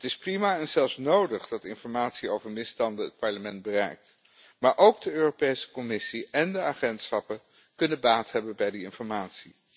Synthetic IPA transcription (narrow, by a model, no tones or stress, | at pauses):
ətɪsprimaːɛnzɛlˠfsnowdəχd̥ɑtɪnfɔɹmaːtsiowvəɹmɪstɑndəət̚pɑɹləmɛndbərɛ̰jk̚t | maːɹʔowɡ̚dəøːropejsə̥kɔmɪsiɛndəaχɛntsχɑpə | kɵnəbaːtɦɛbənbɛjdiɪnfɔɹmaːtsi